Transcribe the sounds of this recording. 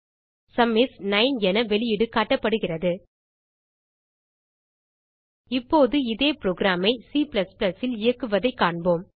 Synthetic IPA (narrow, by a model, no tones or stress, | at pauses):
sɐmːɪsnɐɪnɛnɐʋɛɭɪjɪɽɯkaːʈːɐpːɐɽɯɣɪrɐðɯ | ɪpːoːðɯɪðeːpɪɾoːɡɾaːmɐɪsiːplɐsplɐsɪlɪjɐkːɯʋɐðɐɪkːaːɳboːm